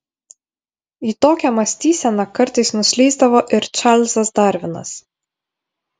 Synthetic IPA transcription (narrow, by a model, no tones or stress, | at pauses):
iːt̪oːkʲɛmɐsʲt̪ʲiːsʲɛnɐkɐɾt̪ɐɪsnʊsʲlʲɛɪzd̪ɐʋoːʔɪɾt͡ʃɑɾlʲsɐsd̪ɐˑɾʲʋʲɪnɐ̰s